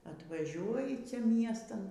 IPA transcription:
ɐtʋɐˈʒʲuɔjɪ ˈt͡sʲɛ ˈmʲiɛstɐn

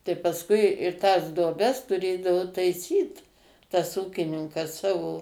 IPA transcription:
tɐɪ pɐsˈkʊɪ ɪr tɐs duɔˈbʲɛs tʊˈrʲeːdɐʋoː tɐɪˈsʲiːt tɐs ˈuːkʲɪnʲɪŋkɐs ˈsɑːʋoː

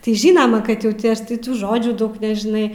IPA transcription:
tɐɪ ˈʒʲiːnɐmɐ kɐt ˈjɛʊ tʲɪ ˈɐʃ tɐɪ ˈtuː ˈʒoːd͡ʒʲuː ˈdɐʊk nʲɛʒʲɪˈnɐɪ

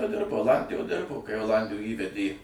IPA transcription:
ˈdʲɪrboː oːˈlˠɐnʲdʲɪjoːj ˈdʲɪrboː kɐɪ oːˈlˠɐnʲdʲɪjoːj ˈiːʋʲɛdʲeː

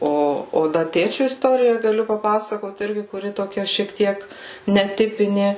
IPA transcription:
ˈoː oː ˈdɐ ˈtʲeːt͡ʃʲʊ ɪsˈtoːrʲɪjɛ ɡɐˈlʲʊ pɐˈpɑːsɐkoːt ˈɪrʲɡʲɪ kʊˈrʲɪ toːˈkʲɛ ʃʲiɛk ˈtʲiɛk nʲɛˈtʲɪpʲɪnʲeː

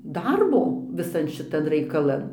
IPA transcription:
ˈdɐrboː ʋʲɪˈsɐn ʃʲɪˈtɐn rɐɪkɐˈlˠɐn

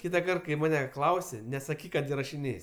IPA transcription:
ˈkʲiːtɐkɐrt kɐɪ ˈmɑːnʲɛ ˈklˠɐʊsʲɪ nʲɛsɐˈkʲiːk kɐt ɪrɐʃʲɪˈnʲeːsʲ

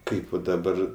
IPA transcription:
ˈkɐɪp ʋɐ dɐˈbɐr

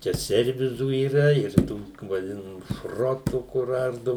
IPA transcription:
ˈt͡ʃʲɛ ˈsʲɛrʲʋʲɪzuː iːˈrɐ ɪr ˈtuː ʋɐˈdʲɪnɐmuː ˈʃroːtuː kʊr ˈɐrdʊ

